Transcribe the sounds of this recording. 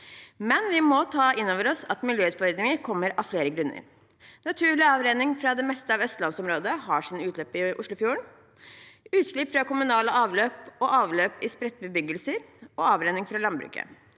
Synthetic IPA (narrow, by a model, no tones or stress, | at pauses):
mɛnʋɪmɔt̪ʰɑːɪnːoːʋəɾɔsɑt̪mɪljøːʉːt̪fɔɾd̪ɾɪŋəɾkʰɔmːəɾɑfleːɾəɡɾʉnːə̰ɾ | nɑt̪ʰʉːɭɪɑːʋɾeːnɪŋfɾɑd̪ɛmɛst̪əɑʋœst̪lɑnsɔmɾoːd̪əɦɑʂiːnəʉːt̪ʰløːpːɪʔʊʂlʊfjuːəɳ | ʉːt̪ʂɭɪpfɾɑkʊmʉnɑːləʔɑːʋløːpɔʔɑːʋløːpɪspɾɛt̪̚ːbəbʏɡəlsəɾɔɑːʋɾeːnɪŋfɾɑlɑnbɾʉ̰ːkə̰